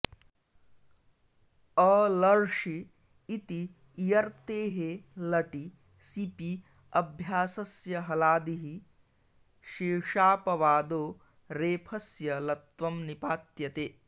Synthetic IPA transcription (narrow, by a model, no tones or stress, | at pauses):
ɐlɐɾʃiː | t̪iː | jɐɾt̪eːɦelɐʈi | sipi | ɐbʱjaːsɐsjɐɦɐlaːd̪iɦi | ʃiːʂaːpɐʋaːd̪oː | ɾeːpʰɐsjɐlɐt̪ʋɐmnipaːt̪jɐt̪eː